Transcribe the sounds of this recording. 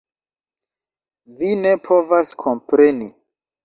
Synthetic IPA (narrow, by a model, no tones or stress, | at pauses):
vine̞pʰo̞vaskʰo̞mpɾe̞ni